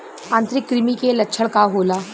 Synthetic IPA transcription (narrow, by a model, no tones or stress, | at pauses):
ãːnt̪ɾɪkːɾɪmikelɐtːʃʰəɽkaɦoːlaː